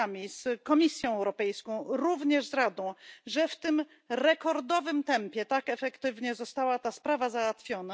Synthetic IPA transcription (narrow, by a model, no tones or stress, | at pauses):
amʲiskɔmʲisʲjɔ̃w̃ɛwɾɔpɛjskɔ̃w̃ɾuvɲɛʐzɾad̪ɔ̃w̃ʐɛft̪ɘm | ɾɛkɔɾd̪ɔvɘmt̪ɛmpʲjɛt̪akɛfɛkt̪ɘvɲɛzɔst̪awat̪aspɾavazawat̪fʲjɔna